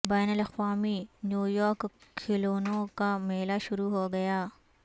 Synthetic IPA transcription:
bɛːnəlɐxʋaːminjuːjɔːɾkkʰːɪloːnõkameːlaʃʊɾuɦoɡɐjaː

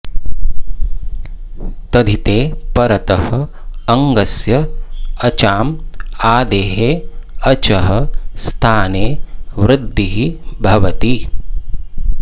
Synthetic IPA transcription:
t̪ɐd̪ʱit̪eːpɐɾɐt̪ɐɦɐː | ŋɡɐsjɐɐt͡ʃaːmaːd̪eːɦeːɐt͡ʃɐɦɐst̪ʰaːneːʋɾɪd̪ʱːiɦibʱɐʋɐt̪i

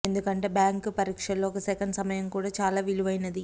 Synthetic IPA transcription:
end̪ukɐɳʈɐbjaːŋkupɐɾiːkʂɐlːoːkːɐsɛkɐɳɖsɐmɐjɐmkuːɽɐt͡ʃaːlaːʋiluʋɐjnɐd̪i

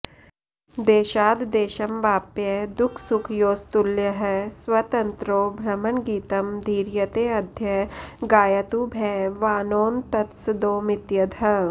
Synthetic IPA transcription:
d̪eːʃaːd̪d̪eːʃɐmʋaːpjɐd̪ʊkʰsukʰjoːst̪uljɐɦɛsʋɐt̪ɐnt̪ɾoːbʱɾɐmɐnɡiːt̪ɐmd̪ʱiːɾjɐt̪eːɐd̪ʱjɐɡaːjɐt̪ubʱɛːʋaːnoːnt̪ɐt̪sd̪oːmɪt̪jɐd̪ʱɐ

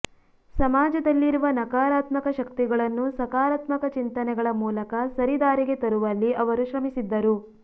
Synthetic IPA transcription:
sɐmaːd͡ʒɐd̪ɐlːiɾuʋɐnɐkaːɾaːt̪mɐkɐʃɐkt̪iɡɐɭɐnːusɐkaːɾaːt̪mɐkɐt͡ʃint̪ɐnɛɡɐɭɐmuːlɐkɐsɐɾid̪aːɾiɡe̞t̪ɐɾuʋɐlːiʔɐʋɐɾuʃɾɐmisid̪ːɐɾu

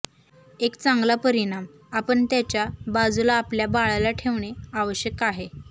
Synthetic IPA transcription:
ekt͡saŋɡlapəɾiɽ̃am | apəɳt̪jat͡ɕjabad͡zulaːpljabaɭalaʈʰeʋɳeaʋəɕjəkaɦe

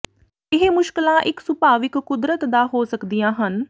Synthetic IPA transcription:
ɪɦmʊʃkɪlãːʔɪksʊpaːʋɪkːʊd̪ɾət̪d̪aːɦoːsəkd̪ɪjãːɦən

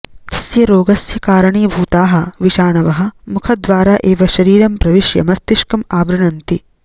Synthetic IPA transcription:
t̪i̥sjɐɾoːɡɐsjɐkaːɾɐɳiːbʱuːt̪aːɦɐ̆ʋiʃaːɳɐʋɐɦɐ̆mukʰɐd̪ʋaːɾaːʔeːʋɐʃɐɾiːɾɐmpɾɐʋiʃjɐ̰mɐst̪iʃkɐmaːbɾɐɳɐnt̪i

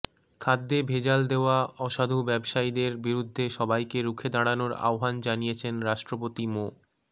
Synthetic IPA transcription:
kʰad̪ːebʱed͡ʑald̪eoaɔʃad̪ʱubɛbʃajid̪eɾbiɾud̪ʱːeʃɔbajkeɾukʰed̪aɽanoɾa̰oɦand͡ʑanijet͡ɕʰenɾaʃʈɾop̬ot̪imo

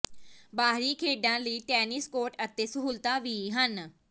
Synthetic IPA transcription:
baːɦɾiːkʰeːɖãːləiːʈɛːnɪskoːʈət̪eːsəɦuːlt̪ãːʋiːɦən

